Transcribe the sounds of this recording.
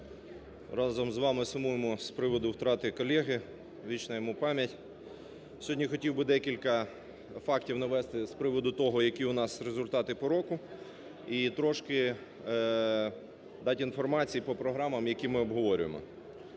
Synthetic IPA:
ɾɑzɔmzʋɑmɪsʊmujemɔspɾɪʋɔd̪ʊwt̪ɾɑt̪ɪkɔlʲɛɦɪ | ʋʲit͡ʃnɐjɔmupɑmʲjɐtʲ | sʲɦɔdʲnʲijxɔtʲiwbɪd̪ɛkʲilʲkɐ | fɑktʲiwnɐʋɛst̪ɪspɾɪʋɔd̪ʊt̪ɔɦɔjɐkʲiʊnɑsɾezʊlʲt̪ɑt̪ɪpɔɾɔkʊ | it̪ɾɔʃkɪ | d̪ɑtʲinfɔrmɑt͡sʲijpɔpɾɔɦɾɑmɐmjɐkʲimɪɔbɦɔʋɔɾʲʊ̰jḛmɔ̰

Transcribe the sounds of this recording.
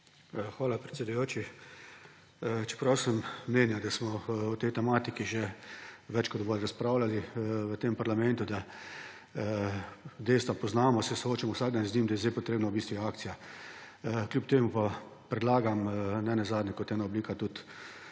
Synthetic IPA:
xʋaːlapɾɛt̪sʲɛd̪ujoːt͡ʃi | t͡ʃɛ̥pɾawsəmːeːnjad̪asmɔut̪ɛjt̪ɛmaːt̪ikiʒeʋɛt͡ʃkɔd̪boːlɾaspɾawlaliʋət̪empaɾlamɛ̃nt̪ud̪a | d̪eːst̪ʋapɔznaːmɔsɛsooːt͡ʃamɔwsaːɡ̚d̪anznʲiːmd̪ajɛzd̪ejpɔt̪ɾeːbnawbist̪ʋiaːkt̪sija | klʲjupt̪eːmupapɾɛd̪laːɡamnɛnɛzaːd̪nʲɛkɔt̪ɛːnaɔbliːkat̪ut̪

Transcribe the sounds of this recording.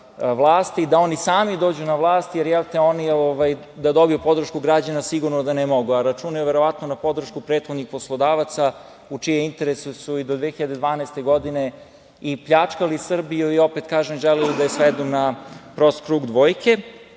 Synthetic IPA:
ʋlˠaːst̪id̪ao̞nisaːmid̪o̞ːd͡ʑunaʋlˠaːst̪jeɾjɛlˠt̪eonioʋaj | d̪ad̪o̞bijupo̞d̪ɾ̩ʃkuɡɾad͡ʑanasiɡuɾnod̪anemo̞ɡuaɾat͡ʃunajuʋeɾo̞ʋat̪nonapo̞d̪r̩ʃkupɾet̪xod̪nixposlˠo̞d̪aːʋat̪sa | ut͡ʃijeint̪eɾesusuid̪o̞d̪ʋexiʎad̪e̞d̪ʋaːnɛest̪e̞ɡo̞d̪ine | ipʎat͡ʂkalisr̩bijuio̞pet̪kaːʒemʒelijud̪ajesʋed̪unapɾost̪kɾuːɡd̪ʋo̞ːjkʰe

